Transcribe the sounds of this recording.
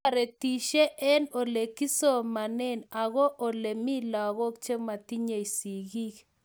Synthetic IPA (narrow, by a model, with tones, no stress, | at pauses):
a˨ɾe˨ti˨ʃe˦ʔɛ˦no˨le˨ki˦so˦ma˨nɛ˦na˨ɣɔ˦ʔo˨le˨mi˦la˨ɣɔ˦kt͡ʃe˦ma˨ti˦ɲe˨i˨si˨ɣi˦k